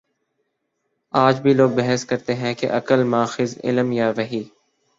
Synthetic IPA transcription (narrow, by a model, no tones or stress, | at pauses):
aːd͡ʒbʱiːloːɡ̚bɛɦəskəɾt̪eɦɛ̃kḛʔɐkəlmaːxɪzɪ̰ləmjaːʋəɦiː